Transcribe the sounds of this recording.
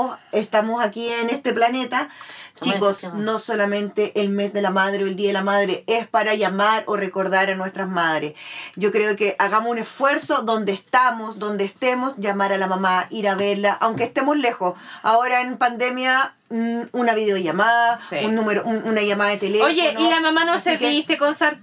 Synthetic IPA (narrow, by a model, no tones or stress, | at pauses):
sest̪amosakienest̪e̞plane̞t̪at͡ʃikosno̞solamẽ̞nt̪eʔelme̞sðe̞lamaðɾeoeld̪iaðelamaðɾeespaɾaʝamaɾore̞ko̞ɾðaɾanwe̞st̪ɾamaðɾesɟ͡ʝo̞kɾeokeʔaɣamosunesfwe̞ɾso̞ðo̞nd̪eːst̪amosd̪o̞nd̪eːst̪emo̞sʝamaɾalamamaʔiɾaβeɾlaʔawŋkeːst̪emosle̞xosao̞ɾaempand̪e̞mja | unaβiðeoʝamaðaunːumeɾoʔununaʝamaðaðet̪eleojenilamamanosekiist̪ekonsaɾ